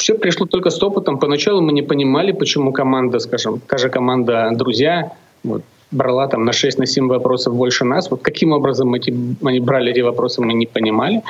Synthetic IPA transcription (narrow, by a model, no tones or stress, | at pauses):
fsʲepɾʲɪʂlˠot̪o̞lʲkəst̪opɨt̪əmpənɐt͡ɕalˠʊmɨnʲɪpənʲɪmalʲɪpət͡ɕɪmukɐmand̪əskaʐɨmt̪aʐɨkɐmand̪əd̪ɾʊzʲja | vo̞̰t̪̚ | bɾɐlˠat̪amnɐʂɛsʲtʲnɐsʲemʲvɐpɾo̞səfbo̞lʲʂɨnasvo̞t̪kɐkʲimo̞bɾəzəmɛtʲɪɐnʲibɾalʲɪɛtʲɪvɐpɾo̞sɨmɨnʲɪpənʲɪmalʲɪ